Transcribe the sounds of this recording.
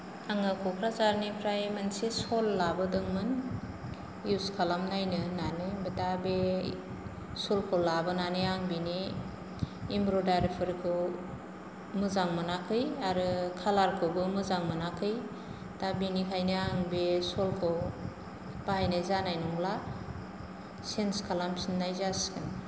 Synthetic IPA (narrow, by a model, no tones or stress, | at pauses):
aŋɯkʰɔkʰɾazaɾnipʰɾajmansesolːabɯdɯŋmɯn | juskʰalamnajnɯnanɯbetabe | solkʰowlabɯnanɯaŋbini | mbɾodajɾipʰɯɾkʰɯw | mɯzaŋmɯnakʰɯjaɾɯkʰalaɾkʰɯɡɯmɯzaŋmɯnakʰɯj | tabinikʰajnɯaŋbesolkʰɯw | b̥aɦajnɯjzanajnɔŋla | senskʰalamsinːajzaskʰɯn